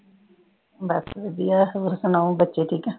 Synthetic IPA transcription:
bəsʋed̪ijaːɦɾsənaũbətːʃeːʈʰiːkɛ

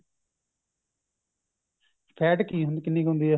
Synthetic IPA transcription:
pʰɛːʈkiːɦʊ̃nd̪kɪnːiːkɦõːnd̪iːɛː

